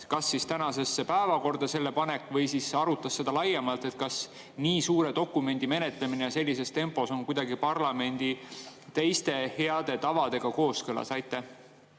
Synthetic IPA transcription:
kɑsːist̪ænɑse̞sːepæevɑko̞rd̪ɑse̞lːe̞pɑne̞kːˑvɤjsisɑɾut̪ːˑɑsːe̞d̪̥ɑlɑjːemɑlt̪e̞t̪̚kɑs | niːsuːɾe̞d̪o̞kːˑume̞nʲd̪̥ime̞ne̞t̪lemine̞jɑse̞lʲːise̞st̪e̞mpːˑo̞so̞ŋkujd̪̥ɑɡipɑrlɑme̞nʲd̪̥it̪e̞jst̪e̞he̞ɑd̪̥e̞t̪ɑvɑd̪e̞ɡ̥ɑko̞ːskɯlɑ̰sɑjt̪ːˑæh

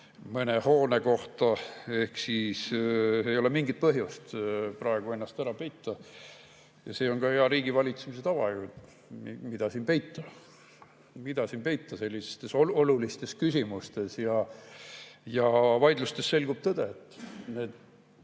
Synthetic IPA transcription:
mɤneho̞ːneko̞ht̪ɑe̞hksisejo̞lemiŋɡit̪̚pɤɦjust̪prɑeɡ̥ue̞nːɑst̪æɾɑpe̞jt̪ːˑɑ | jɑse̞ːo̞nɡɑeɑɾiːɡivɑlʲit̪semis̬et̪ɑvɑekult̪ | mimid̪̥ɑsiːnpe̞jt̪ːˑɑ | mid̪̥ɑsiːnpe̞jt̪ːˑɑse̞lʲːise̥st̪e̞soolulist̪e̞skysʲimust̪e̞sjɑ | jɑvɑjd̪lust̪esːe̞lɡ̥ub̥̚t̪ɤd̪̥et̪ːne̞ːd̪̥

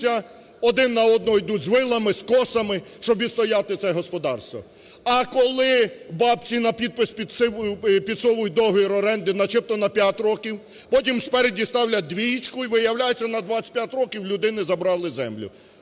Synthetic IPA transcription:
ɐ | ɔd̪ɪnːɐɔd̪̚nɔjd̪udʲzʋɪlˠɐmɪskɔsɐmɪʃt͡ʃɔbʋʲist̪ɔjɑt̪ɪt̪sɛɦɔspɔd̪ɑrst̪ʋɔ̰ | ɐkɔlˠɪbɑpt͡sʲinɐpʲid̪̚pɪspʲid̪sɪpʲid̪sɔʋʊj̚d̪ɔɦʊjiɾɔɾɛnd̪ɪnɐt͡ʃɪp̚t̪ɔnɐpʲjatʲɾɔkʲiw | pɔtʲimspɛɾedʲist̪ɑwlʲɐd̪ʋʲijit͡ʃkʊiʋɪjɐwlʲajʊt͡sʲːɐnɐd̪ʋasʲt̪̚ʲpjatʲɾɔkʲiwlʲʊd̪ɪnɪzɐbɾɑlˠɪzɛ̰mlʲʊ̰

